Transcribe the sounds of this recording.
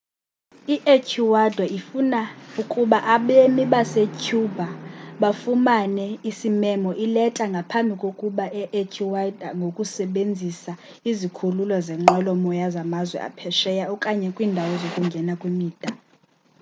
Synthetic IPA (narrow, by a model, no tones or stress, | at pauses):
iʔecʰiwadʱwaifunaukʼuɓaʔaɓemiɓasecʰubʱaɓafumanɛisimɛmɔʔilɛtʼaŋɡʱapʰambʱikʼokʼuɓaʔɛʔecʰiwad̥ʱaŋɡʱokʼusɛɓend͡zʱisa | izikʰululɔzɛŋ͡ǃɔlɔmɔjazamazwɛ̰ʔa̰pʰɛʃɛjaɔkʼaɲɛkʼwiːndʱawɔzokʼuŋɡʱɛnakʼwimiːd̥ʱa